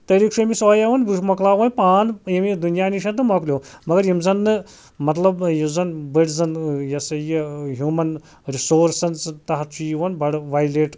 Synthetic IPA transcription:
t̪ɐɾiːkʃʰuɐmisoːjɐʋɐnbuʃmɐklaːʋɐnʲpaːnjɐmid̪unjaːniʃɐnt̪ɨmɐklʲjoːmɐɡɐɾjimzɐnːɨ | mɐt̪lɐbjizɐnbəʈzɐnjɐsɐjiɦjuːmɐn | ɾisoːɾsɐnt͡st̪ɐɦɐt̪t͡ʃʰujiʋɐnbɐɽʋaːjleʈ

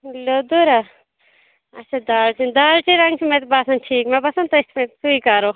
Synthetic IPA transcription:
loːd̪uɾa | ɐtːʃʰad̪aːlt͡ʃʰind̪aːlt͡ʃʰiɾɐŋɡt͡ʃʰimet̪basɐnʈʰiːkmebɐsɐnt̪oɪsmẽsuikɐɾo

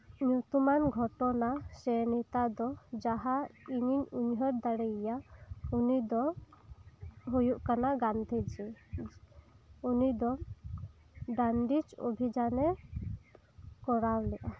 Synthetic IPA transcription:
ɲut̪umanɡʱɔʈɔnasɛnit̪ad̪ɔd͡ʒaɦaiɲiɲuɲɦɔɾd̪aɽɛjaunid̪ɔ | ɦujuʔkanaɡant̪ʰid͡ʒi | unid̪ɔ | ɖanɖit͡ʃo̰bʱid͡ʒanɛ | kɔɽawlɛʔa

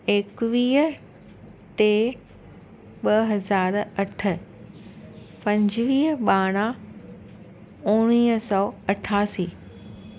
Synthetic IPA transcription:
eːkʋiːɦə | t̪e | ɓɐɦɐzaːɾɐʈʰə̆ | pɐ̃ɲd͡ʑʋiːɦɓaːɽ̃a | ʊ̃ɽ̃iːɦsɔːɐʈʰaːsiː

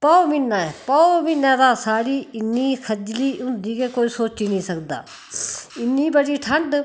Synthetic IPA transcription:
paomɪnːaːɛːpɔomɪnãːd̪aːsaːɽiːɪnːiːkʰəd͡ʒliːʊ̃nd̪iːkeːkoːiːsoːt͡ʃiːnĩːsəkd̪a̰ː | ɪnːiːbəɽiːʈʰəɳɖ

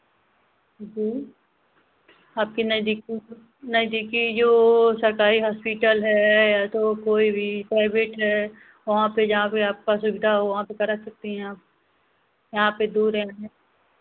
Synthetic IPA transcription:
d͡ʒiː | aːp̚kinɐd̪iki | nɐɪd̪ikid͡ʒoːsɐɾkaːɾiɦaːspiʈəlɦɛjat̪okoːibʱipɾaːɪbeʈɦɛ | ʋɐɦãped͡ʒɐɦãpeaːp̚kasʊbɪd̪ʱaɦoʋɐɦãpekɐɾasɐk̚t̪iɦɛ̃aːp̚ | jɐɦãped̪uːɾɛɦɛ̃

